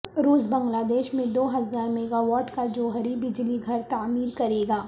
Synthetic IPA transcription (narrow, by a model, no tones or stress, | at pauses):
ɾuːsbɐ̃ŋɡlaːd̪eːʃmẽd̪oːɦɐzaːɾmɛːɡaʋɔːɾʈkad͡ʒoːɦəɾibɪd͡ʒliɡʱɐɾt̪aːmiːɾkɐɾeːɡaː